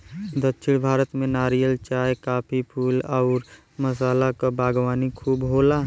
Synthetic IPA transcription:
d̪ətːʃʰɪɽ̃bʱaːɾət̪mẽnaːɾijəlt͡ʃaːjkaːpʰipʰuːlaʊɾ | məsaːlakabʱaːɡwaːnikʰuːbɦoːla

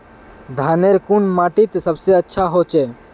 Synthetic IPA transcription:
d̪ʱaːneɾkunmaːʈit̪səbseətːʃʰaɦot͡ʃeː

